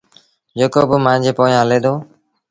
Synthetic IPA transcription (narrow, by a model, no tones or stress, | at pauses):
d͡ʒeːkoːbʊmãːd͡ʒʱeːpoːjãːɦəleːd̪oː